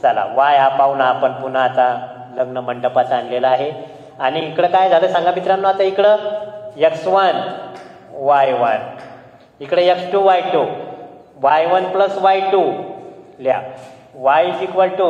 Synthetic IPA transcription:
t͡sala̰ʋajapaʋnaːpəɳpun̤at͡sa | ləɡnəməɳɖəpat͡sanlelaaɦe | añiːkɽəkajd͡zʱaləːsãŋɡabʱit̪ɾãnːoat̪əikɽəeksʋən | ʋajʋən | ikɽəjeksʈuʋajʈu | ʋajʋənpləsʋajʈu | lja̰ | ʋajsikʋəlʈu

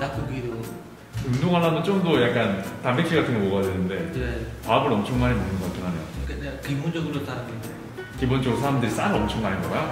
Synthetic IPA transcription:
nakoɡiɾo | ɯmdoŋɦanamjʌnt͡ɕ͈omdojak͈antambekʰiɡatʰɯŋɡʌmoɡojadwenɯnde̞epaabɯɾʌmt͡ɕʰʌŋmaɲimonɯnɡʌk͈atʰɯŋɦanejokanekimond͡ʑʌɡɯɾotaɾaŋɡine | kibont͡ɕʰʌɡɾosʰaɾamdɯɾis͈aɾɯɾʌmt͡ɕʰʌŋmaɲinɡʌk͈ajo

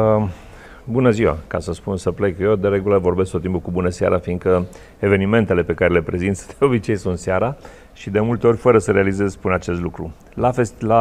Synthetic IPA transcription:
bunəziwa̰kasəspunsəple̞kjed̪eɾe̞ɡuləvo̞rbeskt̪ot̪impukubunəsa̰ɾʔafiŋkə | eve̞nime̞nt̪e̞le̞pe̞kaɾe̞le̞pɾe̞zint̪sd̪̥eo̞bit͡ʃe̞jsunt̪seaɾa | ʃid̪e̞mult̪eo̞rʲfəɾəsəɾe̞alize̞zspunat͡ʃe̞st̪lukɾu | lafe̞st̪la

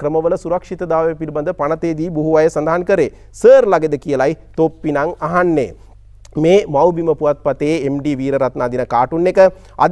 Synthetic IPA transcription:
kɾəməʋələsuɾɐkʂit̪əd̪aːʋepiɾibɐnd̪əpanɐt̪eːd̪iːbuɦuʋajəsand̪aɦankəɾḛː | səːɾlaɡed̪əkijəlajt̪opːinaŋaɦanːḛː | meːmawbiməpuʋat̪̚pɐt̪eːemɖiːʋiːɾəɾat̪naːd̪inəkaːʈunːekə | a̰d̪

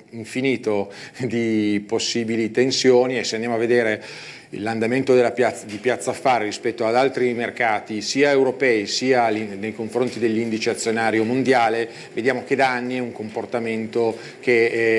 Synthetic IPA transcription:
iɱfiniːt̪od̪iposːiːbilit̪ensjoːniesːeand̪jamoavːed̪eːɾe | ḭlːand̪ament̪od̪elːapjat̪ːad̪ipjat̪sːaːfːaːɾerispɛt̪ːoad̪alt̪ɾimerkaːt̪isiːaewɾopɛisiːalinejkoɱfɾont̪id̪elːind̪it͡ʃeat̪sːjonaːɾjomond̪jaːle | ved̪jaːmok̟ed̪aanːiɛuŋkomport̪ament̪o | k̟e

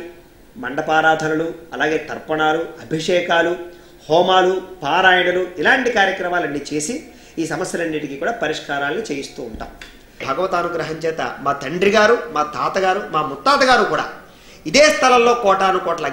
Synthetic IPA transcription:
mɐɳɖɐpaːɾaːd̪ʱɐnɐluɐlaːɡe̞ːt̪ɐɾpɐɳaːluɐbʱiʂɛːkaːlu | hɔːmaːlupaːɾaːjɐnɐluilaːɳʈikaːɾjɐkɾɐmaːlɐnːiːt͡ʃe̞ːsi | iːsɐmɐsjɐlɐnːiʈikikuːɽaːpɐɾiʂkaːɾaːlɐnit͡ʃeːjist̪uːɳʈa̰ːm | bʱɐɡɐʋɐt̪aːnuɡɾɐɦɐɲt͡ʃɛːt̪ɐ̰maːt̪ɐɳɖɾiɡaːɾumaːd̪ʱaːt̪ɐɡaːɾumaːmut̪ːaːt̪ɐɡaːɾukuːɽa̰ː | id̪eːst̪ʰɐlɐllːo̞ːkɔːʈaːɐnukɔːʈɐlɐ

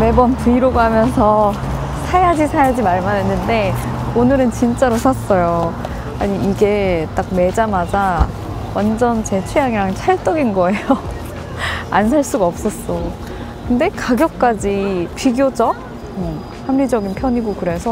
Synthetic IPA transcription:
me̞bʌnpuiɾoɡoɦamjʌnsʰʌ | sʰajad͡ʑisʰajad͡ʑimaɭmanenːɯnde̞onɯɾɯnt͡ɕint͡ɕ͈aɾosʰas͈ʌjo | aɲiːɡe̞t͈ak̚me̞d͡ʑamad͡ʑa | wʔand͡ʑʌnt͡ɕe̞t͡ɕʰujaŋiɾaŋt͡ɕʰaɭt͈ʌɡinɡʌe̞jo | a̰nsʰaɭs͈uɡaʌp̚s͈ʌs͈o | kɯnde̞kaɡjʌk̚k͈ad͡ʑipiɡjod͡ʑʌ | hamɾid͡ʑʌɡinpʰjʌɲiɡokɯɾe̞sʰʌ

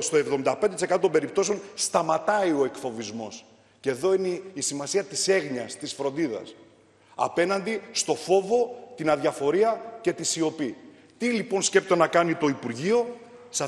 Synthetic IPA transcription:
st̪oe̞vðo̞mind̪ɐpend̪t̪isekɐt̪ot̪obe̞ɾipt̪o̞seo̞nst̪ɐmɐt̪ɐio̞ekfo̞vizmo̞s | ce̞ðo̞ineisimɐsiɐt̪ise̞ɣɲɐst̪isfɾo̞nd̪iðɐ̰s | ɐ̰pe̞nɐnd̪ist̪o̞fo̞vo̞t̪inɐðʝɐfo̞ɾiɐce̞t̪isio̞pi | t̪ilipo̞nsce̞pt̪onɐkɐnit̪o̞ipuɾʝio̞ | sɐ

